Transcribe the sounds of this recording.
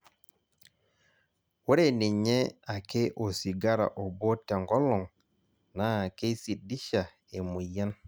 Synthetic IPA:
wo˦ɾe˨ni˨ɲɛ˦a˨ke˦ʔo˨si˨ɡa˦ɾa̰˨ʔo˨bo˦te˨ŋɡɔ˦lɔ˨ŋ | na˨˦˨ke˦si˨di˦ʃa˨ | e˨mu˨ja˦n

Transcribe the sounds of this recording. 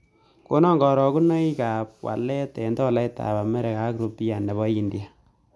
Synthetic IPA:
ko˦nɔ˦ŋɡɔ˨ɾɔ˨ku˦nɔ˦i˦ka˨p̚wa̰˨lɛ˦tɛ˨ndɔ˦˨la˦ita̰˨ba˨mɛ˦ɾɛ˨ka˦kɾo˨pːi˦ja˨nɛ˨βɔ˦i˨ndi˦a˨

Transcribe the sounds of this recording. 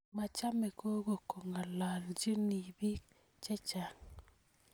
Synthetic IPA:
ma˨t͡ʃa˦mɛ˨ko˦ɡo˨ko˨ŋa˨la˨ld͡ʒi˦ni˨bi˦k | t͡ʃɛ˦t͡ʃa˨ŋ

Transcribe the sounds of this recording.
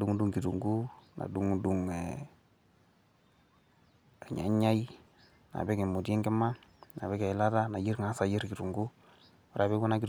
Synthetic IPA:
du˦ŋ˦du˦ŋki˨tu˨ŋɡu˦na̰˨du˨ŋdu˨ŋɛ | a˨ɲa̰˨ɲa˦i˦ | na̰˨bɛ˦ke˨mo˨djɛ˦ŋɡɛ˦ma˦na̰˨βɛ˦ka˨ɪ˨la˦ta˦na˨ji˦ɾŋa˨˦sa˨ji˦ɾki˨tu˨ŋɡu˦ | ɔ˦ɾa˨βe˦ɡu˦na˦ki˦t

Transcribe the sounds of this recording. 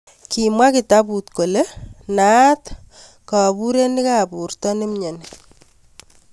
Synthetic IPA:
kimwa˦ki˨tapu˨tko˨le˦nat̪ | ka˨pu˦ɾe˦ni˦ka˦pu˨rtɔ˦nɪ˦mɲe˨n

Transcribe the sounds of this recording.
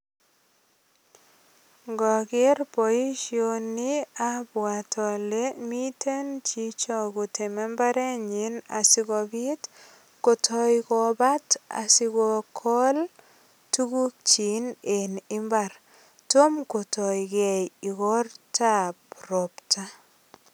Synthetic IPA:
ɡɔ˨ɡɪ˦ɾpo˨i˦ʃio˨ni˦a˦bwa˨tɔ˨le˦mi˦tʰe˦nt͡ʃi˦t͡ʃɔ˦˨ɡʊ˨te˨mɛ˦mba˦ɾe˦ɲi˨na˨sɪ˦ɡɔ˨bɪ˦t | ko˨tʰɔ˧jkɔ˨ba˦ta̰˨sɪ˧ɡɔ˨kʰɔ˦l | tu˦ɡu˦k̚t͡ʃi˨ne˨nɪ˦mba˨ɾ | to˦mko˨tɔ˨jɡɛ˨ji˨ɡɔ˦rta˦pro˨pta˦

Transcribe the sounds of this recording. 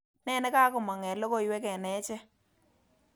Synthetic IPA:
nɛ˦nɛ˦ka˦kʊ˨ma˨ŋɛ˨lɔ˦kɔ˦jwɛ˦kɛ˨nɛ˨˦t͡ʃɛ˦

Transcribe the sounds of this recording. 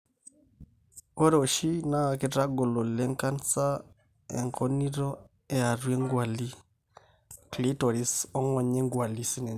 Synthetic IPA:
o˦ɾo˨ʃi˦na˦˨ki˦ta˦ɡo˨lɔ˨lɛ˦ŋka˦nt͡sa˦ | ɛ̰˨ŋkʰɔ˦ni˦ɾɔ˦ | ɛ˦a˨ɾwe˦ŋɡwa˨li˦ | kli˦tɔ˨ɾi˦sɔ˦ŋɔ˨ɲɛ˦ŋɡwa˨li˦si˦nɛ˨

